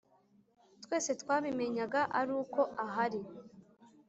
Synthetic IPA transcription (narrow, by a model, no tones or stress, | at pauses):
twe̞ːse̞twaːβime̞ɲaɡaʔaɾuːko̞ʔaɦaɾi